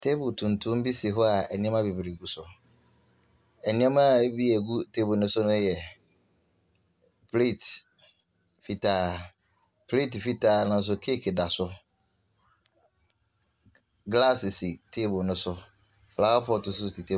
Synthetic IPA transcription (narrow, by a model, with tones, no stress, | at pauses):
tʰe˦bʊ˨tʰũ˨ntʰũ˦m˦bi˦si˨ɦɔ˦a˨ɛ˨nĩ˦ɛ˦mã˦be˨bɾi˨ɡu˦sʊ˨ | ɛ˨nĩ˦ã˦mã˦bi˦æ˨ɡu˦tʰe˦bʊ˨nʊ̃˦sʊ˦nʊ̃˦jɛ˨ | pʰle˦˨t | fi˨tʰaː˦ | pʰle˦˨tfi˦tʰaː˦nʊ̃˦n̩˦s̬ʊ˦kʰe˦kʰda˨sʊ˦ | ɡla˦˨sɪ˨si˨tʰe˦bʊ˨nʊ̃˦sʊ˦ | fla˨˦a˦pʰɔ˦˨tʊ˨sʊ˦˨tʰi˨tʰe˦